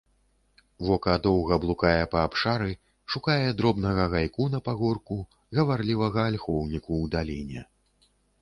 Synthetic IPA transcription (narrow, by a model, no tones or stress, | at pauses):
vɔkɐd̪ɔwɣɐblˠukajɛpɐːpʂaɾɨ | ʂukajɛd̪ɾɔbn̪ɐɣɐɣajkunɐpaɣɔrku | ɣɐvarlʲivɐɣɐːlʲxɔwnʲikuːd̪alʲenʲɐ